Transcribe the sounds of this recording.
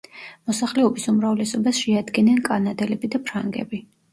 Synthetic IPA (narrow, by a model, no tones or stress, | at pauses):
mɔsaχlɛɔbisumɾavlɛsɔbasʃɛad̪ɡɛnankʼanad̪ɛlɛbid̪apʰɾaŋɡɛ̰bi